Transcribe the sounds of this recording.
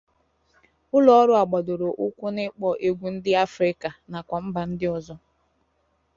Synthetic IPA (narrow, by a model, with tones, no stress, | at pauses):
ʊ˦lɔ˦ɔ˦ɾʊ˦a˨ɡ͡bɔ˨dʊ˨ɾo˨ʔʊ˦kʷʊ˦nɪ˦k͡pɔ˨ʔe˨ɡʷu˨n̩˦dɪ˦a˦fɾɪ˦ka˨na˨kʷa˨m̩˦ba˨n̩˦dɪ˦ɔ˨zɔ˦